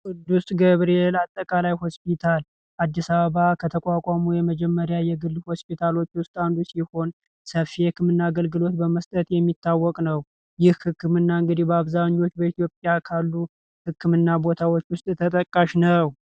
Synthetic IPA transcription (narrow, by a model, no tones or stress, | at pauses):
kʼɨd̪ːusɡəβɾelat̪ʼːəkʼalajho̞spʰit̪ʰal | ʔad̪ːisaβəβakʰət̪ʰəkʼakʷʼamujɛməd͡ʒɛmːəɾjajɛɡɨlːho̞spit̪ʰalo̞t͡ʃːwʊst̪ʼand̪usiho̞n | səfijɛkʰːɨmɨnːaːɡəlɡɨlo̞t̪bəməst̪ʼət̪jɛmːit̪ʰːawːɔkʼnəw | jɪhhɨkːɨmɨnːaɨŋɡɨd̪ihbəaβzaɲːo̞t͡ʃːbəit̪ʰijo̞pʼjakʰalːu | hɨkːɨmɨnːabo̞t̪ʰawot͡ʃːwʊst̪ʼt̪ʰət̪ʼəkʼːaʃnəw